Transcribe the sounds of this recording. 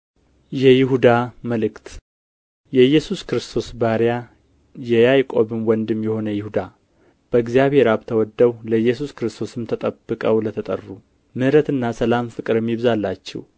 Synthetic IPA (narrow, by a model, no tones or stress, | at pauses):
jɛjɪɦud̪aməlɨkt̪ | jɛjːɛsuskɾɨst̪ʰo̞sbaɾja | jɛjajkʼo̞βɨmwɔnd̪ɨmjɛho̞nəjɪhud̪a | b̥əɨɡzijaβhe̞ɾaβt̪ʰəwɔd̪ːəwləjːɛs̬uskɾɨst̪ʰo̞sɨmt̪ʰət̪ʼəbːɨkʼəwlət̪ʰət̪ʼə̰rːu | mɨhɾət̪ɨnːasəlamfɨkʼɨɾɨmːiβzalːat͡ʃːɛ̰w